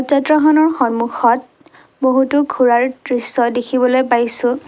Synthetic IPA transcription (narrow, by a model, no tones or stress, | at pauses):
ɔzɔdɹɔɦɔnɔɹxɔnmuxɔt̚ | boɦutʊɡʱuɹaɹtɹisɔdekʰibɔlojpajsʊ̃